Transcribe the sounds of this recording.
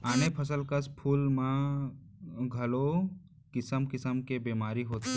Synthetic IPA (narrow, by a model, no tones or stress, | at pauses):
aːnepʰəs̬əlkəspʰuːlmã | ɡʱɐlo | kɪsəmkɪsəmkebeːmaːɾiɦoːt̪e